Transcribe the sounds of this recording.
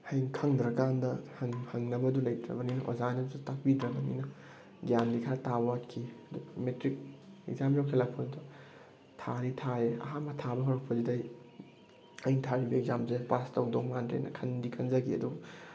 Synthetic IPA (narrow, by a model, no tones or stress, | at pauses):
hɐjŋkʰɐŋdɾɐkandɐhɐŋhɐŋnɐbɐdulɐjtɾɐ̰bɐninɐʔo̰zanɐsutɐk̚bidɾɐbɐnḭnɐ | ɡjamdikʰaɾtabɐwatkʰiɐdumetɾik̚eɡzamjokʰilak̚pʰɐdidu | tʰaɾitʰaeɐ̰ɦamɐtʰabɐɦɔɾɐk̚pʰɐzidɐj | ajntʰaɾibɐeɡzamzepastɐwdoŋmandɾḛjnɐ̰kʰɐndikʰɐnd͡ʒɐɡiɐ̰duɡ